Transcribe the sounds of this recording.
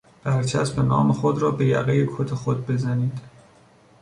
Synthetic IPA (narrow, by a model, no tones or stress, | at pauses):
b̥æɾt͡ʃʰæsbenɒːmexod̪ɾɒːbe̞jæ̰ɣejekʰot̪ʰexod̪̚be̞zæniːd̪̥